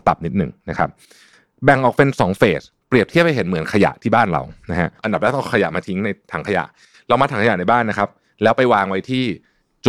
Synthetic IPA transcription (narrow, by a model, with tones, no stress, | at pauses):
t̪a˨˩p̚ni˦˥t̪̚nɯ˨˩ŋna˦˥kʰa˦˥p̚ | bɛ˨˩ŋʔɔː˨˩k̚pe˧nsɔː˩˦ŋfeː˨˩s | pli˨˩əp̚t̪ʰi˥˩əp̚ha˧jɦe˩˦nmɯ˨˩˦ənkʰa˧ja̰˨˩ʔt̪ʰiː˥˩aː˥˩nɾa̰˧wna˦˥ɦʰa˦˥ʔʔa˧nda˨˩lɛː˦˥t̪ɔ˥˩ŋkʰa˧ja̰˨˩ʔmaː˧t̪ʰi˦˥ŋna˧jt̪ʰaː˩˦ŋkʰa˧ja̰˨˩ʔ | ɾa˧wmaː˧t̪ʰaː˩˦ŋkʰaja˨˩na˧jbaː˥˩nːa˦˥kʰa˦˥p̚ | lɛː˦˥wpa˧jwaː˧ŋwa˦˥jt̪ʰiː˥˩ | t͡ɕ